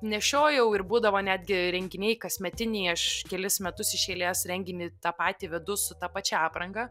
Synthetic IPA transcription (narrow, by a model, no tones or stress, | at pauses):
nʲɛʃʲoːjɛʊɪɾbuːd̪ɐʋoːnʲæːd̪ʲɡʲɪɾʲɛŋʲɡʲɪnʲɛɪkɐsʲmʲɛt̪ʲɪnʲɛɐʃkʲɛlʲɪsmʲɛt̪ʊsɪʃʲeːlʲeːsɾʲɛŋʲɡʲɪnʲɪt̪ɑːpɑːt̪ʲiʋʲɛd̪ʊsʊt̪ɑːpɑt͡ʃʲɛɑːpɾɐŋɡɐː